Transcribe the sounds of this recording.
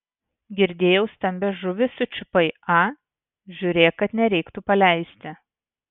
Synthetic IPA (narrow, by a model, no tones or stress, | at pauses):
ɡʲɪɾʲd̪ʲeːjɛʊst̪ɐmʲbʲɛʒʊʋʲɪsʊt͡ʃʲɪpɐɪɑː | ʒʲuːɾʲeːjkɐt̪nʲɛɾʲɛɪkt̪upɐlʲæˑɪsʲt̪ʲɪ